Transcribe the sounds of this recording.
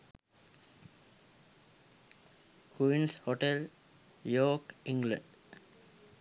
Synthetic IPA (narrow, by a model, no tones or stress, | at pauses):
kʰuinshɔʈel | joːkiŋɡlə̰̃ɳɖ